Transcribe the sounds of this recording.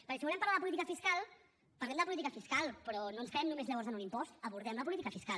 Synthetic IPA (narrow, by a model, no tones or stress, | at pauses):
pəɾkɛsiβulɛmpɾlaðəpulit̪ikəfiskalˠ | paɾlɛmd̪əpulit̪ikəfiskalˠpɾɔnonskəɾɛmnumezʎəβɔɾrzənunimpɔst̪əβuɾðɛmləpulit̪ikəfiskal